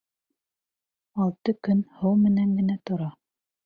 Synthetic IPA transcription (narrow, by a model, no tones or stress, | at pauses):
ɑlˠt̪ɤkɵnhɤwmɘ̆næŋɡɘ̆næt̪ŏɾɑ